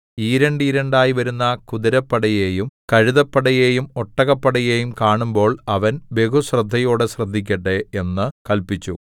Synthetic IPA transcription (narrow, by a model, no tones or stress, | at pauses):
iːɾeɳɖɨɾɐɳɖaːjiʋɐɾunːɐkuðɐɾɐpːɐɽɐjeːjumkɐɻuðɐpːɐɽɐjeːjumoʈːɐɣɐpːɐɽɐjeːjumkaːɳumbo̞ːɭɐʋɐnbe̞kuɕrɨd̪ʱːɐjo̞ːɽeɕrɐd̪ʱːikʲːɐʈːeenːɨkɐlpit͡ɕːu